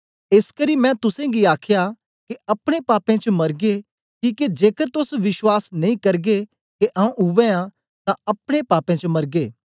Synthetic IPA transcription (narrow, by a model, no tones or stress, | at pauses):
eːskəɾimɛ̃t̪ʊsẽɡiaːkʰja | keɐpɽ̃epaːpẽt͡ʃəmɐɾɡe | kiːked͡ʒeːkəɾt̪ʊsʋɪʃwaːsnɐĩkɐɾɡe | keʔaũʔʊʋẽã | t̪ãɐpɽ̃epaːpẽt͡ʃəmɐɾɡeː